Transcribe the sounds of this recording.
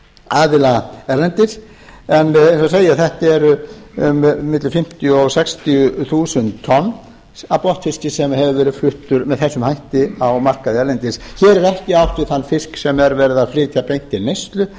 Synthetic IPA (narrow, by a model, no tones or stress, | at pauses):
aːðɪlaɛɾlɛnt̪ɪɾ̥ | ɛnejnsɔseːjaθɛht̪ɛɾ | mɪt̪lʏfɪm̥t̪jʏɔɣsɛkst̪jʏθuːsʏnt̪ʰːɔnː | apɔht̪fɪscɪsɛmhɛvʏvɛːɾɪ̥flʏht̪ʏɾmɛðθɛsːʏmhajht̪ɪawmar̥kaðɪɛɾlɛnt̪ɪsçɛːɾɛɾɛhcɪawht̪ʏθanːfɪsksɛmɛɾvɛːɾɪðaðfɾɪːt̪ʰjapejn̥t̪ɪlnejst̪lʏ